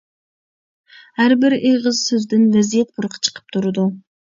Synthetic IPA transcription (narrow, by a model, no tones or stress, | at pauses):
hæɾbɪɾeʁɨzsøzd̪ɪnvɛzijɛt̪̚buɾqʰɑ̥t͡ʃʰə̥qʰə̥p̚t̪ʰuɾɨd̪u